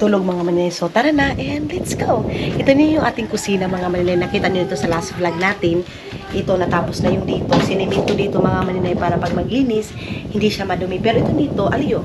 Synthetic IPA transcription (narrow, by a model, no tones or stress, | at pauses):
t̪uːloɡ̚mɐŋamɐnɪnajsot̪ɐɾɐnaʔɛnd̪lɛt̪sɡ̥owʔɪt̪onʊjʊŋʔaːt̪ɪŋkʊsiːnɐmɐŋamɐnɪnajnɐkiːt̪ɐnɪlɪt̪o̞sɐlasblaɡ̚naːt̪ɪn | ʔɪt̪o̞nɐt̪aːposnɐjʊŋd̪iːt̪o̞sɪnɪmɛnt̪od̪iːt̪omɐŋamɐnɪnajpaːɾɐpɐɡ̚mɐɡliːnɪs | hɪnd̪iʃamɐd̪ʊmipɛːɾoʔɪt̪ond̪iːt̪o̞ʔɐljo